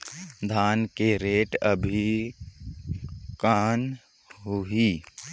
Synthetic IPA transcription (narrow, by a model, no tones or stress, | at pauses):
d̪ʱaːnkeɾeːʈəbʱi | kaːn | ɦuiː